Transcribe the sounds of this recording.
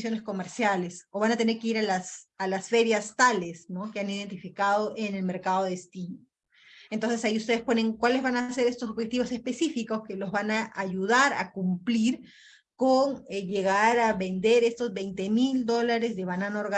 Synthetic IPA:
sjo̞ne̞sko̞me̞ɾsjale̞so̞βanat̪e̞neɾkeiɾalasalasfe̞ɾjast̪alesno̞keanið̞e̞nt̪ifikað̞o̞ʔene̞lme̞ɾkaðoðest̪ino | ent̪o̞nse̞saiust̪e̞ð̞espo̞ne̞ŋkwale̞zβanase̞ɾest̪o̞soβxet̪iβose̞spe̞sifiko̞ske̞lo̞zβanaʔːʝuð̞aɾa̰kumpliɾ | koneʝe̞ɣaɾaβe̞nd̪e̞ɾe̞st̪o̞zβe̞jnt̪e̞mild̪o̞laɾe̞zðe̞βananaoɾɣa

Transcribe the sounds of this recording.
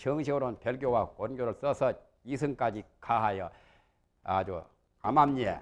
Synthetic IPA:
t͡ɕʰɯŋɕʰiɾonpjeɭɡjowakonɡʲjoɾɯɭs͈ʌsʰʌ | isʰɯŋk͈ad͡ʑikʰaɦajʌ̰ | ad͡ʑo | amamɲe

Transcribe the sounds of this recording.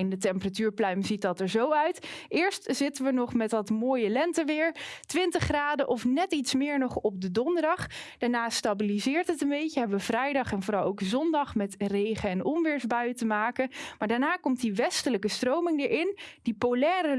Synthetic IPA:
ɪndətɛmpəratyːɹplœɥmzit̚ɑtəɹzowœɥtɪːɹstz̥ɪtəʋənɔχmɛtɑtmoːjəlɛntəʋɪːɹtʋɪntəχraːdəʔɔfnɛtitsmɪːɹnɔχɔp̚dədɔndəɹdɑχd̥aːɹnaːstabilizɪːɹtɦətənbejçəɦɛbəʋəvrɛjdɑχɛnvoːɾɑlˠowkzɔndɑχmɛtrejχəɛnɔmʋɪːɹzbœɥtəmaːkəmaːɹdaːɹnaːkɔmtdiʋɛstələkəstrowmɪŋdəɹʔɪnd̥ipolɛːrə

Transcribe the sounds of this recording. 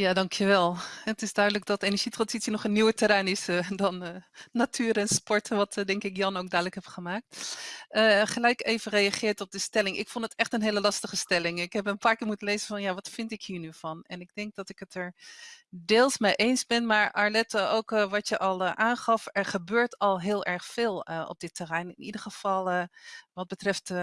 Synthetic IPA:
jaːdɑŋkʰjəʋɛlˠətɪsdœɥdələɡ̚dɔtenəɹʒ̥itrɑnzitsənɔχənːiwətəɾɛnɪsədɔnːatʰyːɾɛnspɔɹtʋɑtdɛŋkɪkjɑnoːkɡ̚dœɥdələkhɛpχəmaːk̚təχəlɛjkeːvərejaχɪːɹtɔp̚dəstɛlɪŋʔɪ̰kfɔndətɛχtənɦeːləlɑstəχəstɛlɪŋɪkɦɛbənpaːɹkɪːɹmutənlejzənfɔnjaʋɑtfɪntɪkhiːnyvɑnɛnɪɡ̚dɛŋk̚dɔtɪkətʰəɹ | deːlˠsmejʔejnsbɪnmaːɹʔaɹlɛtəoːwkʋɑtjəʔɑlˠʔaːnχɑfɛɹχəbøːɹtɔlˠɦɪːlˠɛɹχfɪːlˠəɔ̰p̚dɪtːərɛjnɪnʔidəɹχəv̥ɑlˠʋɑd̚bətrɛft

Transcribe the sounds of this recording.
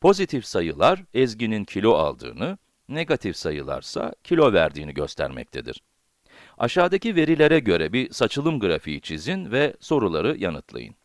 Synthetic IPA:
pʰo̞zit̪ʰifsajɯlˠaɾɛzɟinincʰilʲo̞a̰lˠd̪ɯ̰ːnɯ | ne̞ɡat̪ʰifsajɯlˠa̰ɾsa̰cʰilʲo̞væɾd̪iːniɟø̞st̪ʰæ̰ɾmɛ̰c̚t̪ʰed̪ḭɾ̥ | aʃaːd̪acive̞ɾilʲe̞ɾɛɟø̞ɾɛbisat͡ʃʰɯlˠɯmɡɯɾafiit͡ʃʰizinvɛso̞ɾulˠaɾɯjanɯt̪ʰlˠa̰jɯ̰n

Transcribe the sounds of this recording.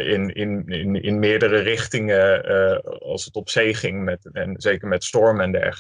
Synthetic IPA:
ɪnɪnɪnɪnmɪːɹdərərɪχtɪŋə | ɑ̰lˠsətɔpsejχɪŋmɛtɛnzejkəɹmɛtstɔɹmɛndɛ̰χ

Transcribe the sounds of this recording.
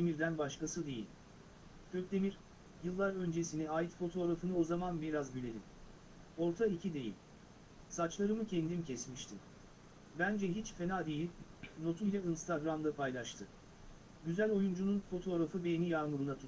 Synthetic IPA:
d̪emiɾd̪ænbaʃkasɯd̪e̞jḭlʲ | cʰøkd̪e̞miɾ | jɯlˠːaɾø̞nd͡ʒesiniaːjit̪fo̞t̪ʰo̞ːɾafɯnɯo̞zamanbiɾazbilʲe̞lʲim | o̞ɾt̪ʰaicʰid̪e̞jḭlʲ | sat͡ʃlˠaɾɯmɯcʰɛnd̪imcʰɛsmiʃt̪ʰim | bænd͡ʒɛɦit͡ʃfe̞naːd̪e̞jilʲ | no̞t̪ʰujlʲainst̪ʰaɡɾamd̪apʰajlˠaʃt̪ʰɯ | ɟyzælʲo̞jund͡ʒununfo̞t̪ʰo̞ːɾafɯbejenijaɾmɯɾɯnat̪ʰu

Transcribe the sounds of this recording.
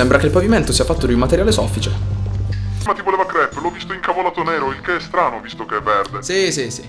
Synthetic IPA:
ɛmbɾakeilpaviment̪osiːafat̪ːod̪iumat̪eɾjaːlesɔfːit͡ʃe | mat̪ivoleːvakɾɛpːlɔvːist̪oiŋkavolaːt̪onɛːɾoilkeɛst̪ɾaːnovist̪okeɛvːɛrd̪esisisi

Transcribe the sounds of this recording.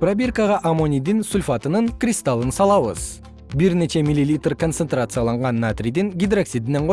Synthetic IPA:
probʲerkaʁɑʔamo̞nʲijd̪ɪnsulʲfɑt̪ənəŋkrʲist̪alˠənsɑlˠɑwə̰z̥ | bɪɾnet͡ʃe̞mʲilːilʲijt̪rkʰo̞nt̪se̞nt̪rat̪sɨjɑlˠɑɴʁɑnːat̪rʲijd̪ɪŋɡʲid̪raksid̪ɪnːeɴqʰo

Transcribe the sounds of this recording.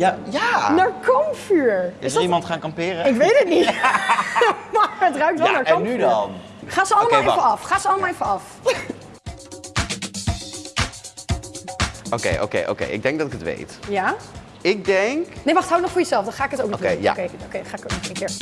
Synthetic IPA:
ajanaːɹkʰɔmfyːɹɪsimɑntχaːnkɑmpɪːrəɪkʋejtətnit | omaɹətrœɥk̚tʋnaːɹɔnmnyn | χaːzəɑlˠəmaalefəɑfχaːsəɑləmalˠevəɑf | ʔokejʔo̰wkḛjʔo̰kḛjʔɪ̰ɡ̚dɛŋɡ̚dɑtɪkətʋḛjtja | ɪk̚dɛŋknejʋɑχtɦawənɔχfʊːɹjəzɛlˠfdɑ̃nχaːɪkətowknɔkeja̰kejdokejdχaːɪkok̚nɔχenəkɪːɹ

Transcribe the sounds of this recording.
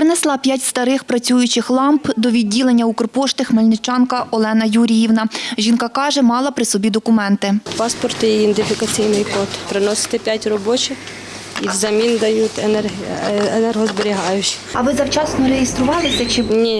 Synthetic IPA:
pɾɪnɛslˠɑpʲjatʲst̪ɐɾɪxpɾɐt͡sʲujʊt͡ʃɪxlˠɑmpd̪ɔʋʲidʲːilˠenʲːɐukɔrpɔʃt̪ɪxmelʲnɪt͡ʃɑnkɐɔlˠɛnɐjuɾʲijiwnɐʒʲinkɑkɑʒɛmɑlˠɐpɾɪsɔbʲid̪ɔkʊmɛnt̪ɪpɑspɔrt̪ɪiɪnd̪ɪfʲikɐt͡sʲijnɪjkɔt̪pɾɪnɔsɪ̥t̪ɪpʲjatʲrɔbɔt͡ʃɪx | iwzɐmʲind̪ɐjut̪ʲɛenɛrɦɔzbeɾʲiɦɑjʊt͡ʃi̥ɐ̰ʋɪzɐwt͡ʃɑsnɔɾejest̪ɾʊʋɑlˠɪsʲɐt͡ʃɪnʲi

